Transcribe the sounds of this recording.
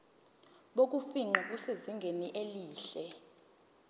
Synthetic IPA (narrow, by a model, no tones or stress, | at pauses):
ɓok̬ufiŋ͡ǃak̬ʼuseziŋɡʱeniʔeliːɬɛ